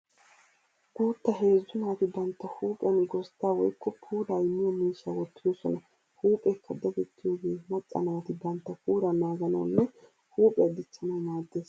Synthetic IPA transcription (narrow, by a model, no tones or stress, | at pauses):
ɡ̥uːt̪ːɐɦe̞ːzːʊnaːt̪ɪbɐnt̪ːɐhuːpʼɪɐnɡɔst̪ːaːwɔjkːɔpʰuːɾaːɪmːɪjɐmiːʃːɐwɔt̪ːɪjoːsɔnɐ | huːpʼɛkːɐd̪ɐt̪ɛt̪ʰːɪjo̞ːɡeːmɐt͡sʼːɐ̰naːt̪ɪbɐnt̪ːɐpuːɾɐnaːɡɐnɐ̰w̰nːɛ | huːpʼɛɐd̪ɪt͡ʃːɐnɐwmaːd̪ːeːs